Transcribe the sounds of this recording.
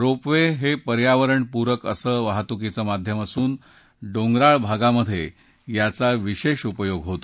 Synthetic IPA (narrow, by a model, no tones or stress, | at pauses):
ɾopʋeɦepəɾjaʋəɾəɳpuɾəkəsəːʋaɦt̪uk̬it͡səmad̪ʱjəməsuːn | ɖoŋɡɾaɭbʱaɡaməd̪ʱːjḛ | jat͡saʋiɕeɕupəjoɡɦot̪o